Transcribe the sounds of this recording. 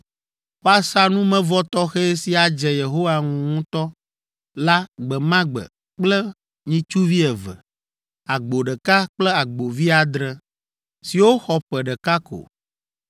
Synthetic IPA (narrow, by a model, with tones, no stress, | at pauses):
wo˦a˨sa˦nũ˦mɛ̃˦vɔ˦t̪ɔ˦xɛ˦si˦a˨d͡ʒɛ˨je˨ɦo˦wa˨ŋũ˨ŋũ˦t̪ɔ˦ | la˦ɡ͡bɛ˨mã˦ɡ͡bɛ̰˨ | k͡plɛ˦ | ɲĩ˦t͡ʃu˦vi˦ɛ˨vɛ̰˨ | a˨ɡ͡bo˨ɖɛ˨ka˦k͡plɛ˦a˨ɡ͡bo˨vi˦a˨d̪ɾɛ˨ | si˨wo˦xɔ˨ɸɛ˨ɖɛ˨ka˦ko̰˨